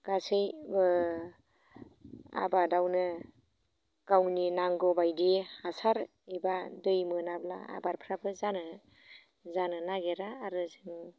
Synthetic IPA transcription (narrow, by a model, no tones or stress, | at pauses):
ɡ̥asɯjbɯ | a̰badawnɯ | kawninaŋɡɔbajdihasaɾ | ibadɯjmɯnabla̰a̰baɾpʰɾabɯzanɯ | zanɯnaɡeɾaːɾɯzɯŋ